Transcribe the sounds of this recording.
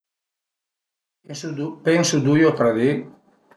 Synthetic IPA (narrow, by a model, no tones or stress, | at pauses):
peŋsud̪ujopɾaði